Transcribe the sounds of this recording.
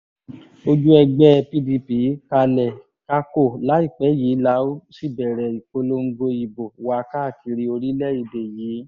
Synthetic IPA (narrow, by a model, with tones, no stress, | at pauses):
o˧d͡ʒu˦ɛ˧ɡ͡bɛ˦˧pi˦˧di˧pi˨˦ka˧lɛ˨ | ka˦ko˦˨la˨˦i˦˨k͡pɛ˨˦ji˨˦la˧˦o˦si˦˨bɛ˨ɾɛ˨i˨ko˧lo˧˦ŋ̩˦˧ɡo˧i˨bo˨wa˨˧ka˦˨ki˧ɾi˧˦o˧ɾi˦lɛ˦i˧de˨jiː˨˦